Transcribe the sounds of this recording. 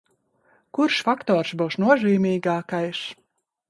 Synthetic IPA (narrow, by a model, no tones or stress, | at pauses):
kuɾʃfakt̪ɔːɾsbuwʃnuɔʒiːmʲiːɡaːkajʃ